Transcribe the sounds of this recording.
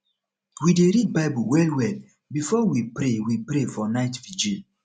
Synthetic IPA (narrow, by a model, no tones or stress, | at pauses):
wideɾid̚baɪbuwɛlwɛl | bifɔwipɾewipɾefɔnaɪtvid͡ʒe